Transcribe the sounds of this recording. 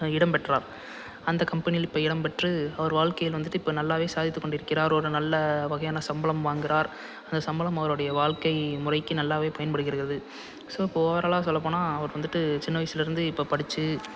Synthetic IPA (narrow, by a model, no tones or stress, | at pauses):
ɪɽɐmpɛʈːra̰ːɾ | ɐnd̪ɐkɐmpɐnɪjɪlɪpːoːɪɽɐmpɛʈrɯɐʋɐɾʋaːɻkɐjɪlʋɐnd̪ɯʈːɯɪpːoːnɐlːaːʋeːsaːðɪt̪ːɯkːɔɳɖɪɾɯkːɪɾaːɾɔɾɯnɐlːɐʋɐɣɐjaːnɐsɐmbɐɭɐmʋaːŋɡɪɾaːɾ | ɐnd̪ɐsɐmbɐlɐmɐʋɐɾoːɽɐjɐʋaːɭkɐɪmʊrɐɪkːɯnɐlːaːʋeːpɐjɐnpɐɽɯɣɪɾɯɣɪɾɐðɯ | soːɪpːoːɾɐːlãːsɔlːɐpoːnaːɐʋɐɾʋɐnd̪ɯʈːɯt͡ʃɪnːɐʋɐɪsɪlɪɾɯnd̪ɯɪpːoːpɐɽɪt͡ʃːɯ